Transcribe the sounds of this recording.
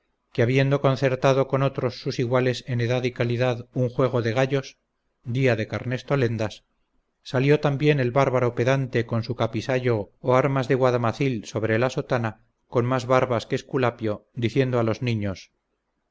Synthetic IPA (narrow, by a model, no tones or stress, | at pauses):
keaβje̞nd̪o̞ko̞nθe̞ɾt̪aðo̞ko̞no̞t̪ɾo̞sːusiɣwale̞se̞ne̞ðaðikaliðaðuŋxwe̞ɣ̞o̞ðe̞ɣaʎo̞s | d̪iaðe̞kaɾne̞st̪o̞le̞nd̪asː | aljo̞t̪ambje̞ne̞lβaɾβaɾope̞ðant̪e̞ko̞nsukapisaʎo̞ːaɾmazðe̞ɣwaðamaθilso̞βɾe̞laso̞t̪ana | ko̞nmazβaɾβaskeːskulapjo̞d̪iθje̞nd̪oalo̞znĩɲo̞s